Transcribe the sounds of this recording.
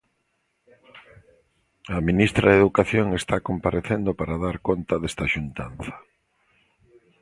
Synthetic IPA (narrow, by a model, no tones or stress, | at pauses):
aminist̪ɾaðeðukaθjoŋest̪akompaɾeθend̪opaɾaðaɾkont̪aðest̪aʃunt̪an̟θɐ̥